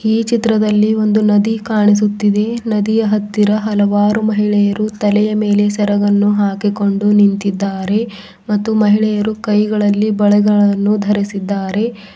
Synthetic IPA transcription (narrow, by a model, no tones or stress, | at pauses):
iːt͡ʃit̪ɾɐd̪ɐlːio̞nd̪unɐd̪ikaːɳis̬ut̪ːid̪e̞nɐd̪ijɐɦɐt̪ːiɾɐɦɐlɐʋaːɾumɐɦiɭɛjɐɾut̪ɐlɛjɐme̞ːle̞sɛɾɐɡɐnːuɦaːkiko̞ɳɖunint̪id̪ːaːɾe̞ | mɐt̪ːumɐɦiɭɛjɐɾukɐjɡɐɭɐlːibɐɭɛɡɐɭɐnːud̪ʱɐɾisid̪ːaːɾe̞